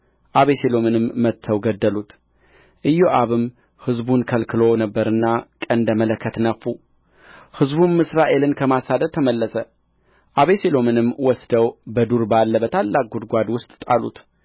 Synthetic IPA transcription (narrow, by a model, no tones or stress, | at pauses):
ʔaβeselo̞mɨnɨmːət̪ʰːəwɡəd̪ːəlut̪ | ʔɨjːoʔaβɨm | hɨzbunkʰəlkʰɨlo̞nəbːəɾɨnːakʼənd̪əmələkːət̪nəfːu | hɨzbunːɨsɾaʔe̞lɨnkʰəmasad̪əd̪t̪ʰəməlːəsə | ʔaβeselo̞mɨnɨmːwɔsd̪əwbəd̪uɾbalːəbət̪ʰalːak̚ɡud̪ɡʷad̪wʊst̪ʼt̪ʼalṵt̪